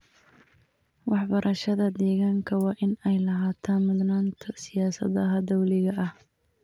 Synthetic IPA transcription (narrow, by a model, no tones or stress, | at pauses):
wɑħbɐɾʔɐʃɐðɐd̪ɛːɣaːŋkʰɐwɑːʔɪnɛjlɐɦaːt̪ʰaːnmʊd̪naːnt̪ʰɐsɪjaːsɐ̰ðɐɦɐd̪ɐwlɪɣɐʔɐh